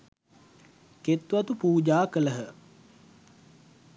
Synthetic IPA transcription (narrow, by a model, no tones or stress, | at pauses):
ket̪ːuʋɐt̪upuːd͡ʒaːkələɦə